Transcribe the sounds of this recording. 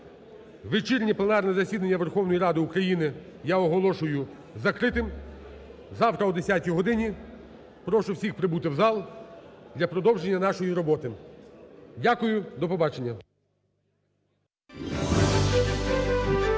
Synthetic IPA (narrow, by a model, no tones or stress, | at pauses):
ʋɪt͡ʃiɾʲnʲiplˠenɑrnɛzɐsʲid̪ɐnʲːɐʋerxɔwnɔjiɾɑd̪ɪukɾɐjinɪ | jaɔɦɔlˠɔʃʊjʊ | zɐkɾɪt̪ɪm | zɑwt̪ɾɐɔd̪esʲjatʲiɦɔd̪ɪnʲi | pɾɔʃʊwsʲixpɾɪbut̪ɪwzɑlˠd̪lʲɐpɾɔd̪ɔwʒenʲːɐnɑʃɔjiɾɔbɔt̪ɪ | dʲakʊjʊd̪ɔpɔbɑt͡ʃenʲːɐ